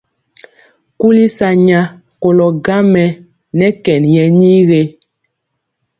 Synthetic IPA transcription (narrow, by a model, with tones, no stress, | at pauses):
ku˦li˦sa˨ɲa˦ | ko˨lɔ˨ɡa˦mɛ˨ | nɛ˦kɛ˨njɛ˨ɲi˦ɣe˦